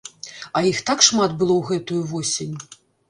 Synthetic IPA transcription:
ɐjixt̪akʂmat̪bɨlˠɔwɣɛt̪ujuvɔsʲenʲ

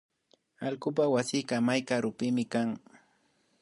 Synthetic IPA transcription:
alkʊp̬awasɪkamajkaɾʊpɪmɪkaŋ

